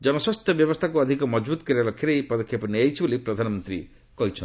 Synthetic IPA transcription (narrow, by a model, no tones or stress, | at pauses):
d͡ʒɔmɔswɔst̪ʰjɔbjɔbɔst̪ʰakuɔd̪ʱikɔmɔd͡ʒbut̪ɔ̥kɔɾibalɔkʰːjiɾejpɔd̪ɔkʰːjapɔniajt͡ʃʰibolipɾɔd̪ʱanɔmɔnt̪ɾḭ | kɔɦit͡ʃʰɔ